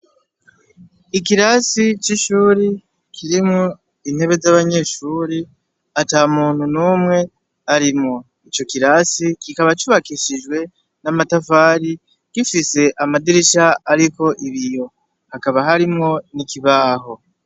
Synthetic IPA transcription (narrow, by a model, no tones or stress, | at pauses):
ikiɾasit͡ʃiʃuːɾi | kʰiɾimŋo | in̥he̞βe̞zaβaɲe̞ʃuːɾi | atamuːn̥hunuːmŋe̞ | aɾimŋo | it͡ʃo̞kiɾasikikaβat͡ʃuβakiʃiʒɡwe̞ | namatafaːɾi | kifise̞ʔamadiɾiʃaːɾiko̞ʔiβijo̞ | hakaβaɦaɾimŋo̞nikiβaːɦo̞